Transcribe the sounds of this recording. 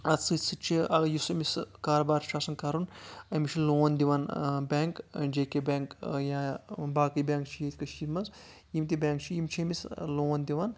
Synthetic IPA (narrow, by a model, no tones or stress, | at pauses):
ɐt̪sɨsɨt͡ʃʰiɐjusɐmiskaːɾobaːɾʃaːsɐnkaːɾunɐmit͡ʃʰiloːnd̪iʋanbʲaːŋkd͡ʒeːkebaːŋkjabaːkɨjbʲaːŋkt͡ʃʰijet̪ʰʲkɐʃiːɾmɐnzjimt̪̬ibʲaːŋk̚t͡ʃʰijimt͡ʃʰimisloːnd̪iʋan